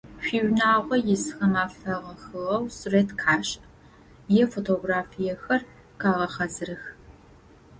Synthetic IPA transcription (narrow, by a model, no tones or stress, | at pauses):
ɕʷᶣiːɥnaːʁʷɔjɛsxɐmaːfɐʁɐxɨʁɐwsureːtkʰaːɕ | jɛfotʰoːɡraːfijɛxɐr | kʰaːʁɐχɐzɨɾɨx